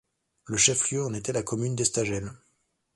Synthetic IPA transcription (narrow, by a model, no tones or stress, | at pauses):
ləʃɛfljøɑ̃net̪ɛlakɔmynd̪est̪aʒɛl